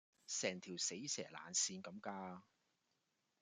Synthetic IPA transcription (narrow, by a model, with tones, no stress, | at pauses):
sɛː˨˩ŋt̪ʰiː˨˩wse˨˥jsɛ̰ː˨˩la̰ː˨˩nsiː˧nkɐ˨˧˥mkaː˧